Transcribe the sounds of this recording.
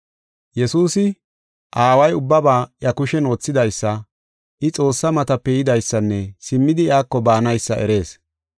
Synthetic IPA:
jɛsuːsɪ | ʔaːwɐjʊbːɐbaːjɐkʊʃɛnoːt͡sːɪd̪ɐjsːɐ | ʔɪt͡sʼo̞ːsːɐmɐt̪ɐpːɛjɪd̪ɐjsːɐnːɛsɪmːɪd̪ɪɪaːkːɔbaːnɐjsːɐʔɛ̰ɾe̞ːs

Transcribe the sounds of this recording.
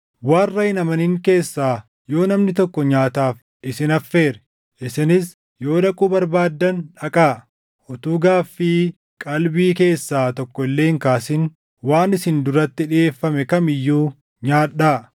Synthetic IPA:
waːrːɐɪnɐmɐniŋke̞ːsːaː | jo̞ːnɐmnɪt̪ɔkːɔɲaːt̪aːf | ʔɪsɪnɐfːe̞ːɾɛ | ʔɪsɪnɪs | jo̞ːᶑɐkʼuːbɐɾbaːd̪ːɐnᶑɐkʼaː | ʔɔt̪uːɡaːfːɪ | kʼɐlbiːke̞ːsːaːt̪ɔkːɔɪlːeːŋkaːsɪn | waːnɪsɪnd̪ʊɾɐt̪ːɪᶑɪeːfːɐmɛkɐmɪjːuː | ɲaːᶑaː

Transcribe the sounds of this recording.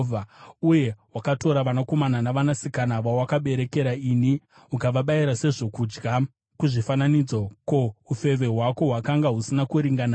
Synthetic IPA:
vauje̞wakato̞ɾaʋanako̞mananaʋanasikanaʋawakaɓe̞ɾe̞ke̞ɾaini | ɦukaʋaɓaiɾase̞ʐo̞kud͡ʒɡa | kuʐifananid͡zoko̞ufe̞ʋe̞ɦwako̞ɦwakaŋɡaɦusinakuɾiŋɡana

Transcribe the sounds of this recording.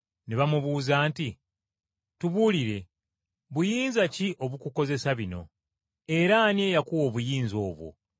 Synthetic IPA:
neβamuβuːzaːnti | tuβuliɾe̞ | βujiːnzaciʔo̞βukuko̞ze̞saβino̞̰ | e̞ɾaːnje̞ːjakuwo̞ːβujiːnzo̞ːβwo̰

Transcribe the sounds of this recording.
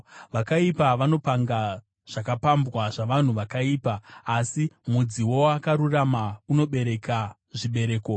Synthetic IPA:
ʋakaipaʋano̞paŋɡa | ʐ̥akapambwaʐaʋan̤uʋakaiːpaːsimud͡ziwo̞akaɾuramauno̞ɓe̞ɾe̞ka | ʐiɓe̞ɾe̞ːko

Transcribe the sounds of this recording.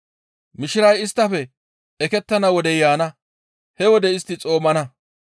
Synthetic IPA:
mɪʃɪɾɐjɪst̪ːɐfɛ | ɛkɛt̪ːɐnɐwɔd̪ɛjaːnɐ | hɛwɔd̪ɛɪst̪ːɪt͡sʼo̞ːmɐnɐ

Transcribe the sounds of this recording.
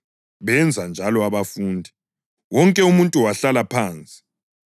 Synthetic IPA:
βɛnd͡zʱand͡ʒʱalɔaβafuːndʱi | wɔŋkʼɛumuntʼuwaɬalapʰaːnt͡sʼi̥

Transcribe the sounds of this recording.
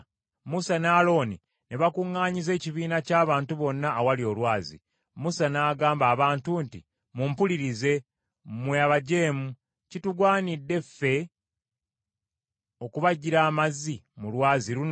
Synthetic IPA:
musanaːlo̞ːni | neβakuŋːaːɲize̞ːciβiːnacaːβaːntuβo̞nːaːwalio̞lwaːzḭ | musanaːɡaːmbaːβaːntunti | mumpuliɾize̞ | mweaβaɟe̞ːmu | cituɡwaːnidːe̞fe̞ | o̞kuβaɟiɾaːmazimulwaːziɾun

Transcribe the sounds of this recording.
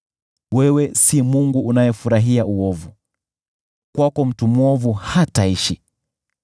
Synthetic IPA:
wɛwɛsimuŋɡuːnajɛfuɾaɦiauɔvu | kwakɔm̩tumwɔvuhataiʃi

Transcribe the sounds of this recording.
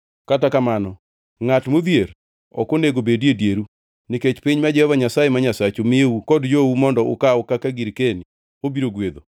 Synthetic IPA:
katakamanɔ | ŋatmud̪jeɾ | ɔ̰koneɡobededjeɾu | niket͡ʃpiɲmad͡ʒɛhɔvaɲasajemaɲasat͡ʃomɪeukɔdd͡ʒoumɔndɔʔʊ̰kaʊkakaɡiɾkeni | obiɾoɡwed̪o

